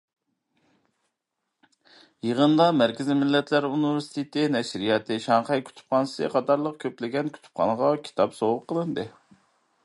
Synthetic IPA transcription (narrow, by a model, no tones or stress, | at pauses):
jəʁənd̪ɑmæɾkʲizimɪlːɛt̪ʰlæɾunivɪɾsi̥t̪ʰet̪ʰɪnɛʃɾijɑt̪ʰɨʃɑɴqɛjkʲʰy̥t̪ʰy̥p̚χɑnsɨ̰qʰɑt̪ɑɾlˠəq̚kʲʰøplɪɡʲɛnkʲʰy̥t̪ʰy̥pqʰɑ̰nʁɑkʲʰi̥t̪ʰɑpsowʊqʰːəlˠɨnd̪ɨ